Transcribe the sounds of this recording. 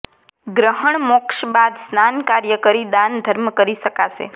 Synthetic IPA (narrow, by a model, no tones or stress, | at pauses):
ɡɾəɦəɳmɔkʃbad̪snankaɾjəkəɾid̪and̪ʱəɾmkəɾiʃəkaʃḛ